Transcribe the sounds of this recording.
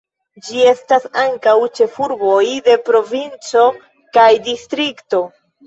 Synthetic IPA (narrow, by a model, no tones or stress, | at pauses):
d͡ʒie̞stasaŋkawt͡ʃe̞fuɾbo̞jde̞pɾo̞vint͡so̞ | kajdistɾikto̞